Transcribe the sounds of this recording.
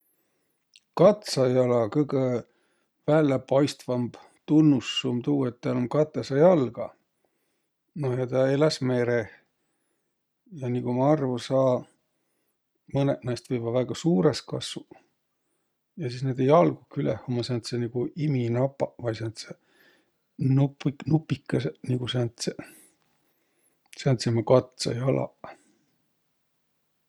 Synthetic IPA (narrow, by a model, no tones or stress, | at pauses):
kɑt̪sɑjɑlɑkɤjɡ̥e | vælːepɑjst̪vɑmb̥ | t̪unːusːumt̪uːet̪ːæːlomkɑt̪ːˑesɑjɑlɡ̥ɑ̰ | nojɑt̪ɑelɑsme̞ːɾeh | jɑnikumɑɑrvusɑː | mɤnḛʔnɑjst̪vɤjvɑvæːɡ̥ɑsuːɾeskɑ̰su | jɑsiːsneːd̪̥e̞jɑlɡ̥ukylehomɑsent̪seniɡ̥uʔiminɑpːɑvɑjsent̪se | nupiknupːikːɑseniɡ̥usent̪se | seænt̪semɑkɑt̪sɑ̰jɑlɑ̰